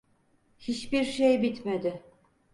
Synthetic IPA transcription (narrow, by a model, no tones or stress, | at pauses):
hit͡ʃbiɾʃejbit̪med̪ɪ